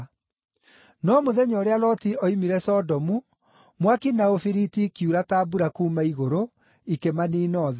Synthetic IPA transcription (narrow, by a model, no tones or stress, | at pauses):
nɔmoðɛɲɔɾealɔtiɔimiɾɛsɔdɔmu | mwakinaofiɾitikjuɾataːbuɾakuːmaiɣoɾo | ikemaniːnɔːðɛ